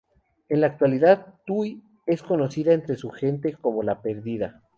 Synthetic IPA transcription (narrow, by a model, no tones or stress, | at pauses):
enlaːk̚t̪waliðaðt̪uj | e̞sko̞no̞siðaent̪ɾe̞suxe̞nt̪e̞ko̞mo̞lape̞ɾðiða̰